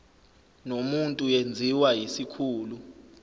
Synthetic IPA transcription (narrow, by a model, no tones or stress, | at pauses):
nomuntʼujend͡zʱiwajisikʰuːlu